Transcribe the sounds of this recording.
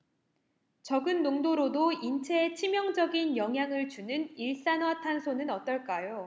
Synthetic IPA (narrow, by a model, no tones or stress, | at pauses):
t͡ɕʌɡɯnːoŋdoɾodoint͡ɕʰet͡ɕʰimjʌŋd͡ʑʌɡinjʌŋɦjaŋɯɭt͡ɕunɯniɭs͈anwatʰansʰonɯnʌt͈ʌɭk͈ajo